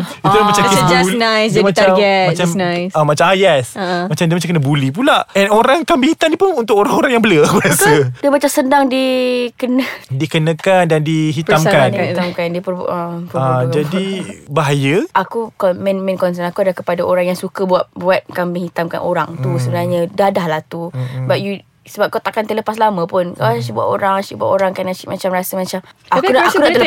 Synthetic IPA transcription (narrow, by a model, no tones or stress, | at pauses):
itt̪ulamat͡ʃamkəlnajsmt͡ʃaɡɛmat͡ʃamajsamat͡ʃajɛsəmat͡ʃamdiəmat͡ʃamkənəbulip̬ulaʔɛnoɾaŋkambihit̪amdipʊnunt̪ʊkoɾaŋoɾaŋjaŋbələbuasədiəbat͡ʃasəndaŋdikənədikənəkandandiɦit̪amkanamkandipəəpad͡ʒadibaɦajəʔakukɔmɛnmɛ̃nkɔns̬ənakuadlahkəpadaʔoɾaŋjaŋsukəbuaʔ̚buat̪̚kamməŋhit̪amka̰nʔoɾa̰ŋt̪usəbənaɲədadahlaht̪ubaʔ̚ju | səbap̚kawt̪akant̪ələpaslamə̃pʊnkaat͡ʃibuaʔoɾaŋat͡ʃiʔbua̰ʔoɾaŋkanat͡ʃiʔmat͡ʃamɾasəmat͡ʃamakudaakudaʔ̪ə